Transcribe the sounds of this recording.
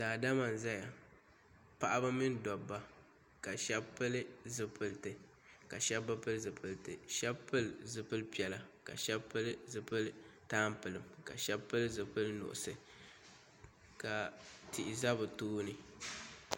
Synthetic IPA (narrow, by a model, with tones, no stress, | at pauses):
daː˨da˦ma˨n˨za˦ja˨ | pa˦ʔa˦ba˦mɨ˦n˦dɔ˨bːa˦ | ka˨ʃɛ˦bpːɨ˦lɨ˦zɨ˨pɨ˨ltɨ˨ | ka˨ʃɛ˦bːa˦pɨ˦lzɨ˨pɨ˨ltɨ˨ʃɛ˦bpɨ˦lzɨ˨pɨ˦lpi˨ɛ˨la˨ka̰˨ʃɛ˦bpːɨ˦lɨ˦zɨ˨pɨ˦ltaː˦m˦pɨ˨lɨ˨mka̰˨ʃɛ˦bpːɨ˦lɨ˦zɨ˨pɨ˦lnʊ̰˨ʔʊ̰˨sɨ˨ | ka˨tʰi˨ʔɪ˨za˦bɨ˨toː˦nɨ˨